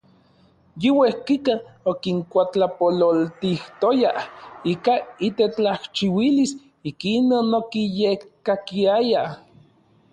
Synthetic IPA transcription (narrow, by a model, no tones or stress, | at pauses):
jiwehkikaokiŋkʷat͡ɬapololt̪iht̪ojahikait̪et͡ɬaht͡ʃiwilis | ikinonokijekkːakiaja